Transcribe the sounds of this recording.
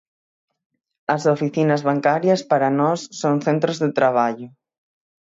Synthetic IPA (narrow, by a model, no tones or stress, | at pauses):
ɐsofiθinɐzβaŋkaɾjɐspaɾɐnɔsːoŋθent̪ɾozðet̪ɾaβ̞aʎʊ